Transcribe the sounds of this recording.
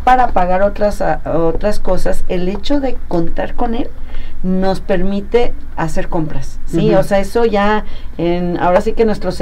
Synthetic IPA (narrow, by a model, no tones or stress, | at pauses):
paɾapaɣaɾot̪ɾasaot̪ɾasko̞saselet͡ʃoðe̞kont̪aɾkonelno̞spe̞ɾmit̪ease̞ɾkompɾasːioseaesoʝaena̰o̞ɾasikenwest̪ɾos